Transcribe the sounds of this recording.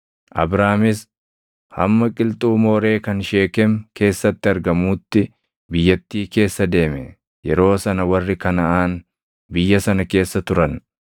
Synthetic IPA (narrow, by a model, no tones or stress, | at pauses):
ʔɐ̰bɾaːmɪs | hɐ̰mːɐkʼɪlt̪ʼuːmoːɾe̞ːkɐnʃe̞ːkɛmke̞ːsːɐt̪ːɪɐɾɡɐmuːt̪ːɪ | bɪjːɐt̪ːiːke̞ːsːɐd̪e̞ːmɛ | jɛɾo̞ːsɐnɐwɐrːɪkɐnɐʔaːn | bɪjːɐsɐnɐke̞ːsːɐt̪ʊɾɐn